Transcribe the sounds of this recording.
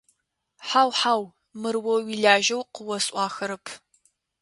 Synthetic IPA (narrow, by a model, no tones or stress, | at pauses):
ħaːwħaːw | mɨrwɐwiɮaːʒɐwqəwɐsʼʔʼʷɑːxɐɾɨpʰ